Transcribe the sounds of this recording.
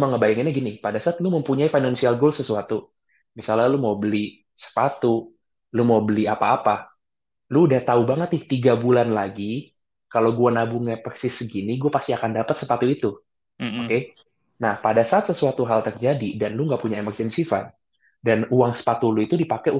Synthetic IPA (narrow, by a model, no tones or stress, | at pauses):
məŋəbajaŋinaɡinipadasaat̪luməmpuɲaifajnansialɡolsəsuat̪u | misalalumaubəli | sə̥pat̪u | lumaubəliapaːpa | luːdaht̪aubaŋət̪ɪht̪iɡabulanlaɡi | kalowɡuanabuŋaparsɪsɡiniɡuapast̪iakandapət̪səpat̪uit̪u | okke | nahpadasaat̪səsuat̪uɦalt̪ərd͡ʒadidanluŋɡaʔpuɲaemərd͡ʒənsifa̰t̪̚ | danuaŋsə̥pat̪uluit̪udipakɛu